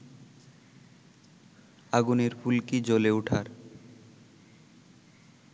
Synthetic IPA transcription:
aɡuneɾfulkid͡ʑoleuʈʰaɾ

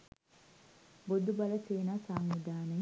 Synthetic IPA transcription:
bod̪ubɐlɐseːnaːsaːŋʋid̪aːne

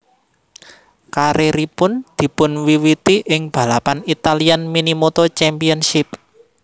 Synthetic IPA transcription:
kaɾeɾipʊnd̪̥i̤pʊnwiwit̪iʔɪŋb̥a̤lapanit̪alianminimot̪ɔt͡ʃɛmpiənʃɪp̚

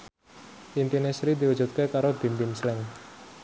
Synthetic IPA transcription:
ʔint̪inesɾid̪iwud̥d͡ʒ̥ṳt̪̚kekaɾob̥i̤mpɪnslɛŋ

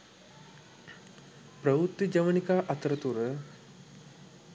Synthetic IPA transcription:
pɾɐut̪ːid͡ʒɐʋɐnikaːʔɐt̪ɾɐt̪uɾə

